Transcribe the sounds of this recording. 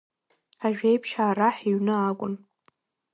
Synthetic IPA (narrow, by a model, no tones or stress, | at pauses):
aʒᶣejpʰʃaːraħiɥnɨakʷʼʊn